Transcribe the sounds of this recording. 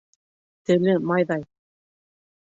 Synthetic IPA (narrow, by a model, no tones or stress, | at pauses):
t̪ɘ̆lɘmɑjðɑj